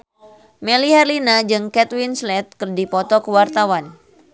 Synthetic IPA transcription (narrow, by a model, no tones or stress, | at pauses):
mɛlihɛrlinad͡ʒɨŋkɛt̪winslɛt̪̚kɨrdipɔt̪ɔkəwart̪awan